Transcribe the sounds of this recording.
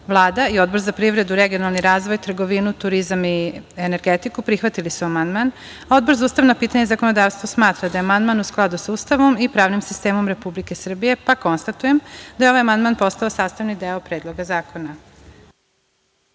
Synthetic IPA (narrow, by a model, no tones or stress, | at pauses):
ʋlˠaːd̪aio̞d̪bo̞ɾzapɾiʋɾe̞d̪uɾe̞ɡio̞nalˠniɾaːzʋo̞jt̪r̩ɡo̞ʋinut̪uɾizamiene̞ɾɡet̪ikupɾixʋat̪ilisuamand̪man | ao̞d̪bo̞ɾzauːst̪aʋnapiːt̪aɲezakonod̪aːʋst̪ʋosmaːt̪ɾad̪ajeamand̪manusklˠad̪usuːst̪aʋo̞mipɾaːʋnimsi̥st̪eːmo̞mɾe̞publike̞sr̩bije̞pako̞nst̪at̪uje̞md̪ajeo̞ʋajamand̪maːnpo̞st̪aosaːst̪aʋnid̪eopɾeːd̪lˠo̞ɡazaːko̞na